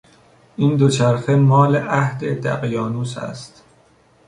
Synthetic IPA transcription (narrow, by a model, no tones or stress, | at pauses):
ʔiːnd̪ot͡ʃʰæɾxemɒːleʔæhd̪ed̪æ̰ɣjɒːnuːsæ̰st̪